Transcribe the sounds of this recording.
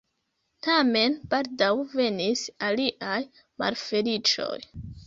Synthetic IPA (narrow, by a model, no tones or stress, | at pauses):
tame̞nb̥aldawve̞nisaliʔaj | ma̰lfe̞lit͡ʃo̞̰j